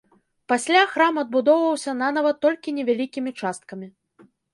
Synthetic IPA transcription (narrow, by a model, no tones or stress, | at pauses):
pasʲlʲaxɾamɐd̪̚bud̪ɔwvɐwsʲɐnanavɐt̪ːɔlʲkʲinʲɛvʲalʲikʲimʲit͡ʂast̪̚kɐmʲi